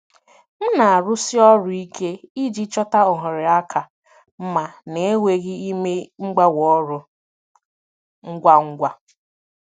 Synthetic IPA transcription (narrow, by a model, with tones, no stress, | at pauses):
m̩˦na˨a˨ɾʊ˦sɪ˦ɔ˦ɾʊ˦i˦kʰe˦i˦d͡ʒi˦t͡ʃɔ˦ta˦ʊ˨ɦʊ˨ɾɪ˨a˦kʰa˨ | m̩˦ma˨ne˨e˦wʷe˨ɣɪ˦i˦me˦ŋ͡m̩˦ɡ͡ba˦wɔ˦ɾʊ˨ | ŋ̩˦ɡʷa˦ŋ̩˦ɡʷa˦